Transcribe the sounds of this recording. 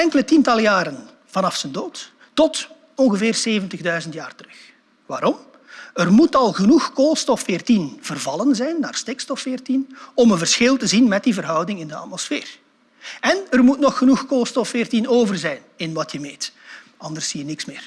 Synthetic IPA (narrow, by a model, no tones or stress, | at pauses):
ɛŋkələtintɑlˠjaːɾən | v̥ɑnɑfsəndoːtː | ɔt | ɔnɣəvɪːrseːvəntəɣdœɥzəntjaːrtərɵx | ʋaːɾɔm | ərmutɑlˠɣənuxkoːlˠstɔfːɪːrtinv̥ərvɑlˠənzɛjnːa̰ːrstekstɔfɪːrtinɔmənvərsxɪlˠtəzinmɛt̚divərɦʌwdɪŋɪndəɑ̰tmɔsfɪ̰ːr | ɛnərmutnɔxːənuxkoːlˠstɔfɪːrtinoːvərzɛjnɪnʋɑtjəmeːt | ɑndərsiːənɪksmɪːr